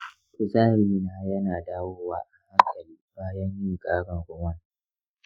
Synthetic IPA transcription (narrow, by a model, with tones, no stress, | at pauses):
ʔʊ˨zaː˦ɾiː˦naː˦jɐ˦naː˨daː˦woː˦wa̰ː˦ʔa˨ha˦ŋkʰʼɐ˨liː˦baː˦jɐ˦ɲjiː˦kʼaː˦ɽɐ˨ŋɡʷʊ˦wɐ˦n